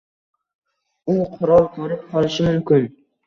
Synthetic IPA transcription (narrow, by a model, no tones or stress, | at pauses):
ʊqʰʊɾɒlˠkʲʰɵɾɪp̚qɒlˠɪʃɪmʊmkʲɪn